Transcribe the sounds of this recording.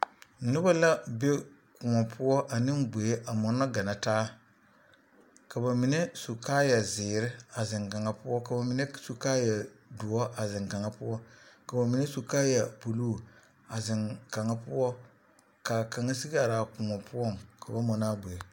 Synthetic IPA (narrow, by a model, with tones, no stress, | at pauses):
nɨ˦ba˦la˦be˦ | kʊ˨ŋɔ˨pʰʊ˦ɔ˦ʔa˨nɪ˦mbe˨e˦ʔa˨mɔ˨na˦ɡa˨na˨taː˦ | ka˨ba˨mi˨ne˦su˨kaː˦ja˨zɪː˨ɾɪ˦a˨zɪ˨ŋka˨ŋa˦pʊ˦ɔ˦ka˨ba˨mi˨ne˦su˨ka˦ja˨du˨ɔ˦ʔa˨zɪ˨ŋka˨ŋa˦pʊ˦ɔ˦ka˨ba˨mi˨ne˦su˨kaː˦ja˨po˨luː˦˨ | a˨zɪ˨ŋka˨ŋa˦pʊ˦ɔ˦ | ka˨ka˨ŋa˦si˦ɡa˨ɾa˨kʊ˨ŋɔ˨pʊ˦ɔ˦˨ŋka˨ba˦mɔ˨na˦be˨